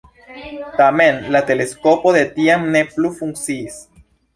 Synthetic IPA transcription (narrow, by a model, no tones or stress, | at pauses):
t̪amenlat̪eleskopoðet̪iamneplufuŋsis